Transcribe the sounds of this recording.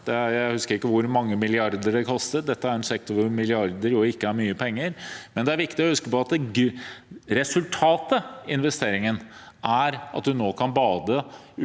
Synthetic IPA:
d̪̥ɛjæɪhʉskəɾɪkːəʋʊɾmɑŋːəmɪlɪɑɾd̪əɾɖ̪ɛkʰɔst̪ət̪̚d̪ɛt̪ːəæɾɛnsɛkt̪ʊɾʋʊɾmɪlɪɑɾd̪əɾjʊɪkːəæɾmyːəpʰɛŋːəɾmɛnd̪ɛæɾʋɪkt̪ɪɔhʉskəpɔɑt̪̚d̪ɛ | ɾɛsʉlt̪ʰɑːt̪əɪnʋɛst̪eːɾɪŋənʔæɾɑ̰t̪̚d̪ʉnoːkʰɑnbɑːd̪ə

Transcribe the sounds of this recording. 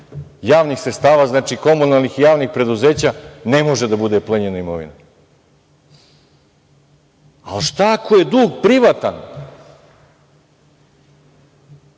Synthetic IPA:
jaːʋnixsɾest̪aːʋaznaːt͡ʃiko̞munalˠnixijaːʋnixpɾe̞d̪uzeːt͡ɕane̞mo̞ʒed̪abud̪e̞plˠeɲenaimoʋḭna | alʃt̪akʰoje̞d̪uːɡpɾiʋat̪an

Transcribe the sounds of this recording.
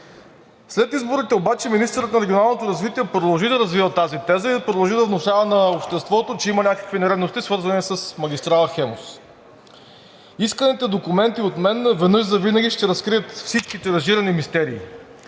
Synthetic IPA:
slɛt̪izboɾit̪ɛobat͡ʃɛminist̪əɾət̪nɐɾɛɡʲionalˠnot̪oɾɐzvit̪iɛpɾod̪ɐlˠʒid̪ɐɾɐzvivət̪azit̪ɛzəid̪ɐpɾod̪ɐlˠʒid̪ɐvnʊʃavɐnɐopʃt̪ɛst̪vɔt̪ot͡ʃɛimɐnʲakə̥kvinɛɾɛd̪nost̪isvɤɾzɐnisɐsmɐɡʲist̪ɾalˠxɛmos | iskənit̪ɛd̪okumɛnt̪iot̪mɛnvɛnɤʒzɐvinɐɡʲiʃt̪ɛɾɐskɾiət̪fsit͡ʃkit̪ɛɾɐʒiɾɐnimist̪ɛɾiː

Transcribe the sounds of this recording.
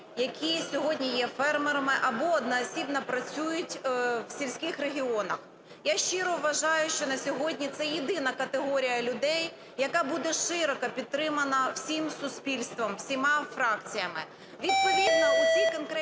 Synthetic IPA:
jɐkʲʰisʲɔɦɔdʲnʲijɛfɛrmeɾɐmɪʔɐbɔɔd̪nɐɐsʲibnɐpɾɐt͡sʲujʊtʲwsʲilʲsʲkɪxreɦʲiɔnɐ̰x | jaʃt͡ʃɪɾɔʋːɐʒɑjʊʃt͡ʃɔnɐsʲɔɦɔdʲnʲit̪sɛjid̪ɪnɐkɐt̪eɦɔɾʲijɐlʲʊd̪ɛj | jɐkɑbud̪ɛʃɪɾɔkɐpʲid̪̚t̪ːɾɪmɐnɐw̥sʲimsʊspʲilʲst̪ʋɐmwsʲimɑfɾɑkt͡sʲijɐmɪ | ʋʲid̪̚pɔʋʲid̪nɔʊsʲikɔnkɾɛ

